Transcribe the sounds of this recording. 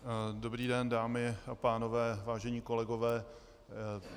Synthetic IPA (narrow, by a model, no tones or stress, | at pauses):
dobɾiːdɛndaːmɪʔapaːnovɛːvaːʒɛɲiːko̞lɛɡo̞vɛː